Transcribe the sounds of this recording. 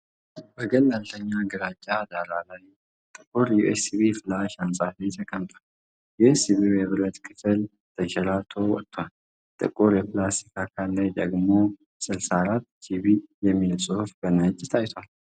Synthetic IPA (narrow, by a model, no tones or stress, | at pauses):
bəɡəlːalt̪ʰəɲːaɡɨɾad͡ʒʼːad̪aɾalaj | t̪ʼɨkʼuɾjuʔesiβifɨlaʃansʼafit̪ʰəkʼəmt̪ʼal | jɛhsiβiwɛβɨɾət̪kʰɨ̥fɨl | t̪ʰəʃɛlat̪ʰo̞wɔt̪ʰːwal | t̪ʼɨ̰kʼuɾjɛplast̪ikʰakʰalːajd̪əɡmo̞ | sɨlsaɾat̪ːt͡ʃʰiβijɛmːilsʼuhfbənət͡ʃʼːɪt̪ʰajt̪ʰwal